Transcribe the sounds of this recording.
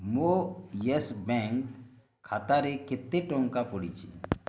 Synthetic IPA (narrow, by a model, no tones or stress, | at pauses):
mojesbɛ̃ŋk | kʰaːt̪aɾeket̪ːeʈɔ̃ŋkapoɽit͡ʃʰḭ